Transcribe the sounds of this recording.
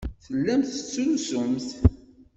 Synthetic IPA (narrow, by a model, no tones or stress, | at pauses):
θəlːæmθə̥t͡sːulsʊmθ